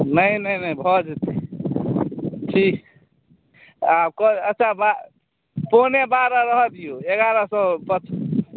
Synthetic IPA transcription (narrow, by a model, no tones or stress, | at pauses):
nəjnəjnəjbʱɔd͡ʒet̪e | ʈʰik | ab̚kɔətːʃʰaba | ponebaɾaɾəɦəd̪ijoeɡaɾasɔ̃pət͡ʃʰ